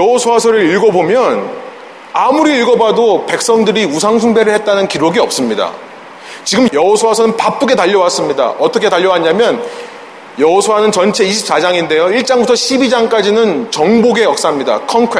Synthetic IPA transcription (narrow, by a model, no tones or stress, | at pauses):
jʌɦosʰowasʰʌɾɯɾiɭɡʌbomjʌn | amuɾiːɭɡʌbadope̞k̚s͈ʌŋdɯɾiusʰaŋsʰuŋbe̞ɾɯɭhet̚t͈anɯnkiɾoɡiʌp̚s͈ɯmɲida̰ | t͡ɕiɡɯmjʌɦosʰowasʰʌnɯnpap͈uɡe̞taʎːʌwas͈ɯmɲida̰ʔʌtʰʌkʰe̞taʎːʌwaɦaɲamjʌn | jʌɦosʰoanɯnt͡ɕʌnt͡ɕʰe̞iɕʰi̥p̚s͈ad͡ʑaŋinde̞joiɭt͡ɕ͈aŋbutʰʌɕʰibid͡ʑaŋk͈ad͡ʑinɯnt͡ɕʌŋboɡe̞jʌk̚s͈amɲida̰kʰʌŋkʰe